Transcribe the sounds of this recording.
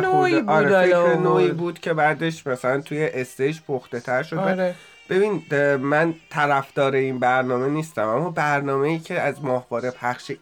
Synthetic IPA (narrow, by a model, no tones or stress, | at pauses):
nobɒːɾeenoːibuːd̪̥cʰe̞bæːd̪e̞ʃmæsælænt̪ʰuje̞ʔest̪ejd͡ʒpʰoxt̪e̞t̪ʰæɾʃod̪æ | b̥e̞bind̪mænt̪ʰæɾæfd̪̥ɒːɾe̞inbæɾnɒːme̞niːst̪æmæmːɒbæɾnɒːme̞jiːcʰe̞æzmɒːhbɒːɾe̞pʰæχʃe